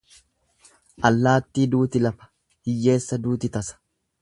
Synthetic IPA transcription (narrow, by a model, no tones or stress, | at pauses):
ʔɐlːaːt̪ːiːd̪uːt̪ɪlɐfɐ̥ | hɪjːe̞ːsːɐd̪uːt̪ɪt̪ɐsɐ̥